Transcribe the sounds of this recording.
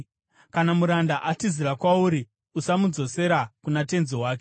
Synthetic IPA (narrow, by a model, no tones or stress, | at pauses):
kanamuɾandaʔatiziɾakwauɾi | usamud͡zo̞se̞ɾakunate̞nzowaːk̬e